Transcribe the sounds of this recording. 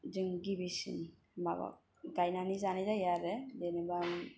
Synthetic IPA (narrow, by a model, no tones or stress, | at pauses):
d͡ʒɯŋɡibisḭn | ma̰ba̰ | ɡajnanizanizajaɾɛdenebam